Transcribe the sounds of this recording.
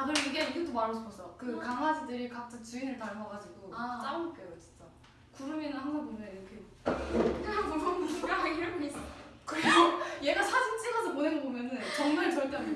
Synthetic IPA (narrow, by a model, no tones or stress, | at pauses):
adɯɾiɡe̞iɡet͈omaɾod͡ʑʰopʌs͈ʌokɯkaŋad͡ʑidɯɾikak̚t͈ʰɯt͡ɕuinɯɭtaɭmaɡad͡ʑiɡut͡ɕ͈aɾɯmok͈ejot͡ɕi̥nt͡ɕ͈a | kuɾɯminɯnhaŋsʰaŋbomʌniɾʌkʰe | eŋsʰaŋbuɭbʌnbuuɡaɦaɡiɾaɡmis͈ʌkɯɾesʌje̞ɡasʰad͡ʑɯmt͡ɕ͈ʰiɡasʰʌponenbomjʌnɯnt͡ɕʌŋmaɭt͡ɕʌɭt͈an